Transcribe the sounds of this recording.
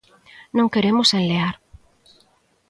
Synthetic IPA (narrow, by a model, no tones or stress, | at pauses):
nõŋkeɾemʊsenleaɾ